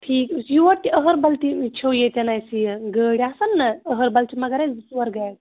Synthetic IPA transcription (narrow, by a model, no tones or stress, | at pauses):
ʈʰiːksjuʋɐt̪iəɦəɾbɐlt̪it͡ʃʰowjet̪ʲenajsijɐɡəɽʲasɐnːɐəɦəɾbɐlt͡ʃʰimɐɡɐɾasuʋɐɾɡajt̪